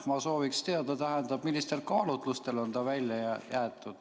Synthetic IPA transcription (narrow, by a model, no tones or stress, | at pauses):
mɑso̞ːvikst̪e̞ɑd̪̥ɑt̪æɦɛnd̪ɑb̥milːist̪e̞lkɑːlut̪ˑlust̪e̞lo̞nt̪ɑvælʲjɑjæːt̪ːˑud̪̥